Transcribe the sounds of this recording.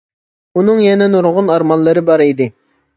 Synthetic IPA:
unɨŋjɛnɛnuɾʁʊnɑɾmɑnlːˠɨɾɪbɑɾid̪ɪ

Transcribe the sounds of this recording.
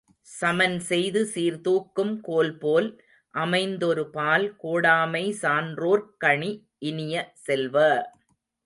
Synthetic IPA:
sɐmɐnsɛjðɯsiːɾt̪uːkːɯmkoːlpoːl | ʔɐmɐɪnd̪ɔɾɯpaːlkoːɽaːmɐɪsaːndroːɾkɐɳi | ʔɪnɪjɐsɛlʋɐ

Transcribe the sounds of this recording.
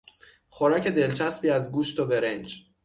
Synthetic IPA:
χoɾɒːcʰe̞d̪e̞lt͡ʃʰæspiːæzɡuːʃt̪obeɾend͡ʒ

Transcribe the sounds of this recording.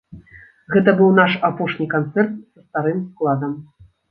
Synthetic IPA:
ɣɛt̪ɐbɨwnaʂapɔʂnʲikant̪sɛrt̪̚sɐst̪aɾɨmsklˠad̪ɐm

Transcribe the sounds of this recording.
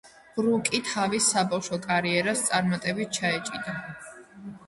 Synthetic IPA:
ʁɾukʼit̪ʰavisːabafʃɔkʼaɾiɛɾast̪sʼaɾmat̪ʼɛbit̪̚t͡ʃʰaɛt͡ʃʼid̪a

